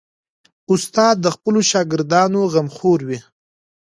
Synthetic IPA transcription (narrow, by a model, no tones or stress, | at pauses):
ʊst̪ɑd̪̚ːəxpəloʃɑɡɪɾd̪ɑnoɣamxoɾwi